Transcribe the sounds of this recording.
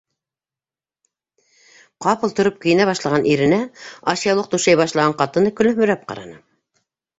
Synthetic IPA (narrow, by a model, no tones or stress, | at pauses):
qɑpɤlˠt̪ŏɾop̚kɵ̆jɘ̆næβɑʃlˠɑʁɑnʔiɾɘ̆næɑʃijɑlˠɤq̚t̪uʃæjbɑʃlˠɑʁɑɴqɑt̪ɤ̆nɤkɵ̆lɵ̆hmɵ̆ɾæp̚qɑ̰ɾɑ̰nɤ